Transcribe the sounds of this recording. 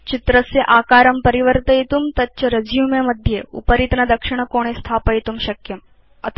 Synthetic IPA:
t͡ʃit̪ɾəsjeʔaːkaːɾɐmpɐɾiʋəɾt̪əjt̪umt̪ɐt͡ʃɐɾɐd͡ʒjumemɐd̪ʱjeṵpəɾit̪nɐd̪ɐkʂɪɽ̃əkoːɽ̃est̪ʰaːpəjt̪umʃɐkjɐm | ɐ̰t̪ʰ

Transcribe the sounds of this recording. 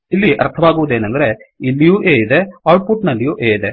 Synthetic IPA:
ilːiʔɐ̰ɾt̪ʰɐʋaːɡuʋud̪eːnɐnd̪ɐɾe̞ilːijuːʔeːjid̪e̞aːʈ̚puʈnɐlːijuːʔeːjid̪e̞

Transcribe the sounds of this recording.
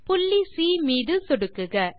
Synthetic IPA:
pʊlːisiːmiːðɯsɔɽɯkːɯɣɐ

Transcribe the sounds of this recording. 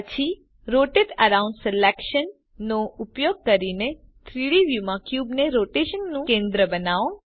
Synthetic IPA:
ət͡ʃʰi | ɾoʈeʈəɾaũɳɖselekʃənː | oupjoɡ̚kəɾine | t̪ʰɾiɭiʋjumãkjubneɾoʈeʃənːũkẽnd̪ɾəbənao

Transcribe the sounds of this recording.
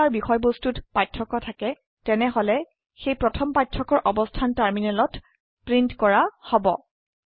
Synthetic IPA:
aɹbixɔjbostutpajtʰɹɔkɔtʰakɛ | tɛnɛɦɔlɛ | xejpɹɔtʰɔmpajtʰɹɔkɔɹʔɔbɔstʰantaɹminalɔt | pɹintkɔɹahɔbɔ̰

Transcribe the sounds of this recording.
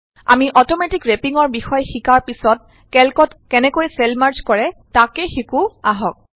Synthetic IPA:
a̰miʔɔtɔmetikɹepiŋɔɹbixɔjxikaɹpisɔt̚ | kɛlkɔtkɛnɛkojsɛlmaɹd͡ʒkɔɹɛtakɛxikuaɦɔk̚

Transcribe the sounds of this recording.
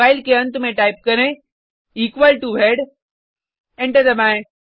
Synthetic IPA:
aːɪlkeə̃nt̪ʊmẽʈaːɪp̚kɐɾẽ | iːkʋəlʈuʋʱeɽ | ɛ̃ɳʈəɾd̪ɐmãːẽ

